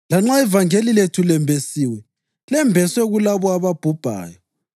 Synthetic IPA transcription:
laŋ͡ǁaɛvaŋeliletʰulɛmbʱesiːwɛ | lɛmbʱɛswɛɣulaβɔaβab̥ʱub̥ʱa̰ːjɔ

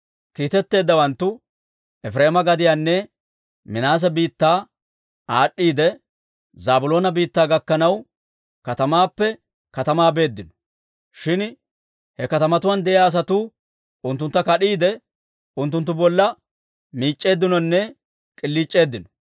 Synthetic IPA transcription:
kiːt̪ɛt̪ːe̞ːd̪ːɐwɐnt̪ːʊ | ɛfɾe̞ːmɐɡɐd̪ɪjaːnːɛ | mɪnaːs̬ɛbiːt̪ːaː | aːɗːiːd̪ɛ | zaːbʊlo̞ːnɐbiːt̪ːaːɡɐkːɐnɐw | kɐt̪ɐmaːpːɛ | kɐt̪ɐmaːbe̞ːd̪ːɪnɔ̥ | ʃɪn | hɛkɐt̪ɐmɐt̪ʊwaːnd̪ɛʔɪjaːs̬ɐt̪uː | ʊnt̪̬ːʊnt̪ːɐkɐɗiːd̪ɛ | ʊnt̪ːʊnt̪̬ːʊbɔlːɐ | miːt͡ʃʼːe̞ːd̪ːɪnɔnːɛ | kʼɪlːiːt͡ʃʼːe̞ːd̪ːɪnɔ̥

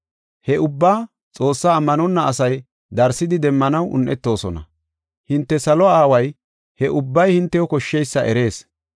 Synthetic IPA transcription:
hɛʊbːaː | t͡sʼo̞ːsːaːmːɐnɔnːɐːsɐj | d̪ɐɾsɪd̪ɪd̪ɛmːɐnɐwʔʊ̰nʔɛt̪ːo̞ːsɔnɐ̰ | hɪnt̪ːɛsɐlɔaːwɐj | hɛʔʊbːɐjhɪnt̪ːɛjɔkɔʃːɛjsːɐʔɛɾe̞ːs

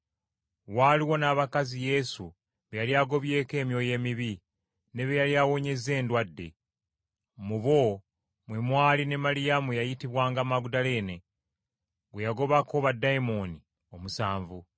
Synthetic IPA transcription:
waːliwo̞naːβakazije̞su | βejaljaɡo̞βje̞ːke̞ːmjo̞je̞ːmiβi | ne̞βejaljawo̞ɲe̞ze̞ːndwadːe̞ | muβo̞ | mwemwaːline̞malijamujajitiβwaːŋɡamaɡudale̞ːne̞ | βwejaɡo̞βakoβadːajmo̞ni | o̞musaːɱvu

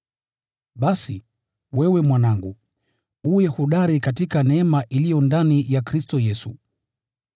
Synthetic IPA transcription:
ɓasi | wɛwɛmwanaŋɡṵ | ujɛhuɗaɾikatikanɛɛmaʔilijɔndanijakɾistɔjɛsu

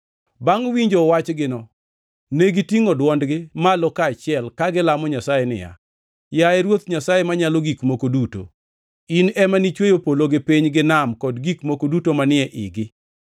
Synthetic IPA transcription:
baŋwiɲd͡ʒowat͡ʃɡɪnɔ | neɡitiŋɔdwɔndɡɪmalɔkaːt͡ʃɪɛlkaɡɪlamɔɲasajenɪ̰ja̰ | jaɛɾwot̪ɲasajemaɲaloɡikmokoduto̰ | inɛmanit͡ʃwejopoloɡɪpiɲɡɪnamkɔdɡikmokodutomanɪɛʔɪ̰ɡɪ

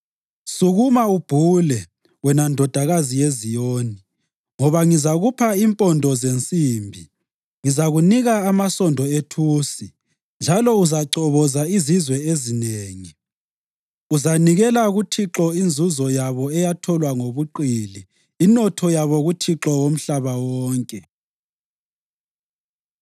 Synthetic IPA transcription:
suɣumaub̥ʱuːlɛ | wɛnandʱɔd̥ʱaɣazijezijoːni | ŋɔβaŋizaɣupʰaimpʼɔndʱɔzent͡sʼiːmbʱi | ŋizaɣuniɣaːmasɔndʱɔetʰuːsi | nd͡ʒʱalɔuzaǀɔβɔzaizizwɛezineːŋi | uzaniɣɛlaɣutʰiǁɔind͡zʱuzɔjaβɔɛjatʰɔlwaŋoβuǃiliː | nɔtʰɔjaβɔɣutʰiǁɔwom̩ɬaβawɔːŋkʼɛ

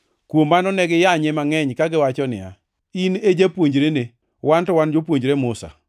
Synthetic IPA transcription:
kwomːanɔnɛɡɪjaɲemaŋɛɲkaɡɪwat͡ʃɔnɪ̰ja̰ | ined͡ʒapwoɲd͡ʒɾene | wantɔwand͡ʒopwoɲd͡ʒɾemʊsa̰

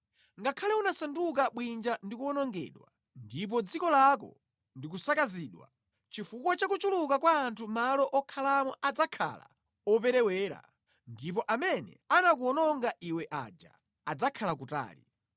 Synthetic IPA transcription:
ŋɡakʰalɛunasanduk̬aɓwind͡ʒandikuɔnɔŋɡɛ̰ːɗwa | ndip̬ɔd͡zikɔlakɔ̰ | ndik̬usakaziːɗwa̰ | t͡ʃifukwat͡ʃakut͡ʃulukakwaːntʰumalɔʔɔkʰalamɔʔad͡zakʰa̰la̰ | ɔp̬ɛɾɛwɛːɾa̰ | ndip̬ɔʔamɛnɛ̰anak̬uɔnɔŋɡaʔiwɛʔa̰d͡ʒa̰ | ad͡zakʰalak̬uta̰ːlḭ

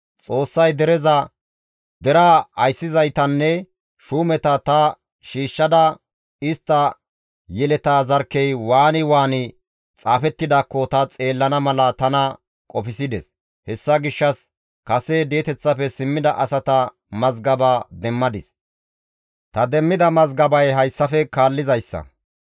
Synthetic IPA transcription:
t͡sʼo̞ːsːɐjd̪ɛɾɛzɐ | d̪ɛɾaɐjsːɪzɐjt̪ɐnːɛ | ʃuːmɛt̪ɐt̪ɐ | ʃiːʃːɐd̪ɐ | ɪst̪ːɐ | jɛlɛt̪aːzɐɾkːɛjwaːnɪwaːnɪ | t͡sʼaːfɛt̪ːɪd̪aːkːɔt̪ɐt͡sʼe̞ːlːɐnɐmɐlɐt̪ɐnɐ | kʼɔfɪsɪd̪ɛs | hɛsːɐɡɪʃːɐs | kɐsed̪e̞ːt̪ɛt͡sːɐfɛsɪmːɪd̪ɐʔɐsɐt̪ɐ | mɐzɡɐbaːd̪ɛmːɐd̪ɪs | t̪ɐd̪ɛmːɪd̪ɐmɐzɡɐbɐjɦɐjsːɐfɛkaːlːɪzɐjsːɐ̰

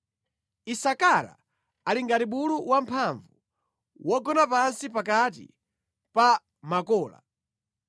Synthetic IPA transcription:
isakaɾa̰ | aliŋɡatiɓuluwampʰaɱvu | wɔɡɔnapansipak̬at̬ḭ | pa | makɔːla̰

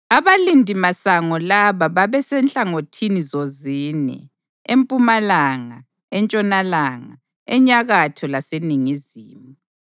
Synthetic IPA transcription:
aβalindʱimasaŋɔlaβaβaβɛsɛnɬʼaŋotʰinizoziːnɛ̰ | empʼumalaŋa̰ | ɛnt͡ʃʼɔnalaːŋa̰ | ɛɲaɣatʰɔlaseniŋiziːmu

